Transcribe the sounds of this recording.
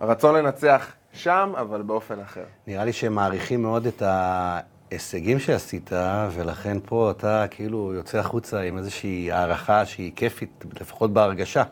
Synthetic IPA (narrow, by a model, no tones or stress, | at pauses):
ʁat͡sonle̞nat͡seaχ | ʃamavalbeo̞fe̞naχe̞ʁniʁaliʃeemːaːʁiχimːeo̞deta | eseɡimʃeasitʰave̞laχe̞npʰo̞atakʰeilujo̞t͡seaχut͡saime̞zeʃiːaːʁaχaʃeike̞fitle̞fḁχo̞t̚beaʁɡaʃa